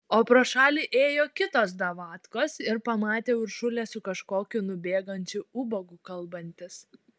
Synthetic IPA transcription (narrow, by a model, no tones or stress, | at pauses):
oːpɾoːʃɑːlʲiːʔeːjoːkʲɪt̪oːs̬d̪ɐʋɑːt̪koːsɪɾpɐmɑːt̪ʲeːʊɾʃʊlʲɛsʊkɐʃkoːkʲʊnʊbʲeːɡɐnʲt͡ʃʲʊʊbɐɡukɐlˠbɐnʲt̪ʲɪs